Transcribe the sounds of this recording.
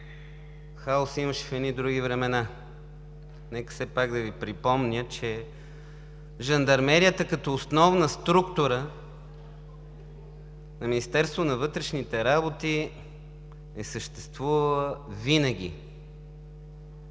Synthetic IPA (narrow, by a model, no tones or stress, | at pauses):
xaosiməʃɛ̥fɛd̪nid̪ɾuɡʲivɾɛmɛna | nɛkə̥fsɛpaɡd̪ɐvipɾipɔmnʲət͡ʃɛ | ʒɐnd̪ɐɾmɛɾiət̪əkɐt̪ɔːsnɔvnəst̪ɾukt̪ʊɾə | nɐminist̪ɛɾst̪vonɐvɤt̪ɾɛʃnit̪ɛɾabot̪i | nɛsəʃt̪ɛst̪vuvəlˠəvinəɡ̟ʲḭ